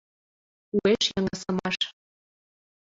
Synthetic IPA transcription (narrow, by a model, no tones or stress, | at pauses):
ueʃjɤŋə̆sɤ̆mɑʃ